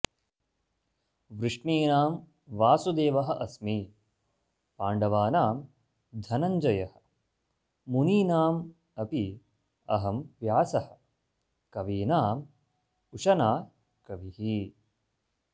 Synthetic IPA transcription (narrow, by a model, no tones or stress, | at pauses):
ʋɾɪʂɳiːnaːm | ʋaːsud̪eːʋɐɦɐ̆ʔɐsmi | paːɳɖɐʋaːnaːm | d̪ʱɐnɐɲd͡ʒɐjɐhɐ̥̆ | muniːnaːm | ɐpi | ɐɦɐmʋjaːsɐhɐ̥̆ | kɐʋiːnaːm | uʂɐnaː | kɐʋihi